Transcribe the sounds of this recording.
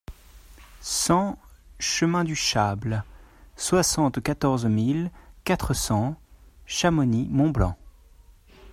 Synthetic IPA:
sɑ̃ʃəmɛ̃d̪yʃablswasɑ̃t̪kat̪ɔʁzmilkat̪χəsɑ̃ʃamɔnimɔ̃blɑ̰̃

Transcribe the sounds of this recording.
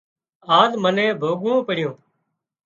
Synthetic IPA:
aːɗmənẽːbʱoːɡõːpəɽɪjõː

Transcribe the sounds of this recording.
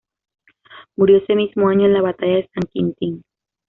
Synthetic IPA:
muɾjosemismoaɲolaβat̪ajasaŋkint̪iŋ

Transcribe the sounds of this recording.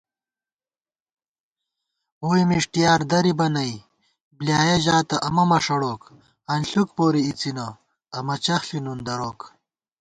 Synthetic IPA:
oːjmiʂʈijaːɾd̪ɐɾibɐnɐj | bljaːjɐʑaːt̪ɐʔɐmɐmɐʂɐɽoːk | ɐnɬukpoːɾiit͡sinɐː | mɐt͡ɕɐxɬinund̪ɐɾoːk

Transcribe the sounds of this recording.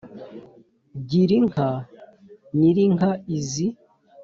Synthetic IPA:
ɟiɾiŋkʰa | niɾiŋhaizi

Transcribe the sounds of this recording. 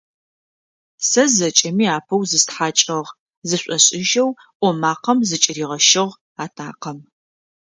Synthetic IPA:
sɐzɐt͡ʃʼɐmiːaːpʰɐwzɨstħaːt͡ʃʼɐʁ | zɨɕʷʼɔɕʼɪʒɐw | ʔʷɔmaːqɐmzɨt͡ʃʼɪriːʁɐʃɪʁ | aːtʰaːqɐm

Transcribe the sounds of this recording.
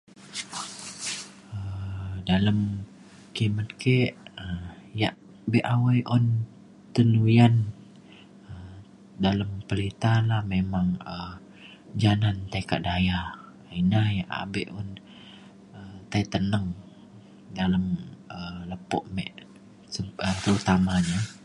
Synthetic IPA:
ədaləm | kimət̪keʔəjaʔ | beʔawajʔɔn | t̪əlujan | ə | daləmpəlit̪alahmemaŋə | d͡ʒanant̪aika̰ʔ̚daja | inajaʔa̰beʔɔn | ət̪ajt̪ənəŋ | daləmələpɔʔmɛ̰ʔ | əət̪əɾut̪amaɲa

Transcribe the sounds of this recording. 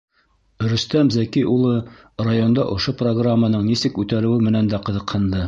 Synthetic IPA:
ɾɵ̆st̪æmzækijʔulˠɤ | rajond̪ɑʔŏʃoproɡramːanɤɴnisɘkʉt̪æɾɘ̆wɘmɘ̆nænd̪æqɤ̆ðɤ̆qhɤ̆nd̪ɤ

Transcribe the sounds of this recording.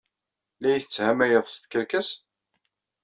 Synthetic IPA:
læjθət͡sːhæmæjəðˤst̪kəɾkæs

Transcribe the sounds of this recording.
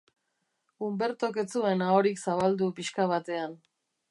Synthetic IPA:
umbe̞ɾt̪o̞ke̞t͡sue̞naoɾiksaβald̪upiʃkaβ̞at̪e̞an

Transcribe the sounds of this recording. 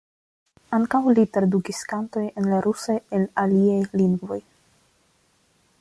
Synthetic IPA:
aŋkawlitɾadukiskanto̞je̞nlaɾʔusajelaliajliŋɡvo̞j

